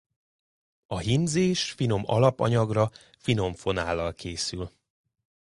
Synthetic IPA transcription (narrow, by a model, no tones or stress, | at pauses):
ɒɦimzeːʃfino̞mɒ̰lɒpɒɲɒɡrɒ | fino̞ɱfo̞naːlːɒlkʰeːsyl